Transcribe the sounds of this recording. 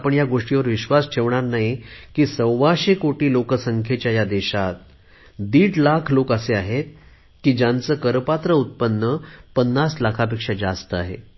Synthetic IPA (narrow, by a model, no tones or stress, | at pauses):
pəɳjaɡoʂʈiʋəɾʋiɕʋasʈʰeʋɳaɾnaɦikiːsəwʋaɕekoʈiːlokəsəŋkʰjet͡ɕjajad̪eɕat̪̚ | d̪iːʈlakʰlokəseaɦet̪̚ | kiːd͡ʑãnt͡səːkəɾpat̪ɾəut̪̚pənːəpənːaslakʰap̬ekʂed͡ʑast̪əaɦḛ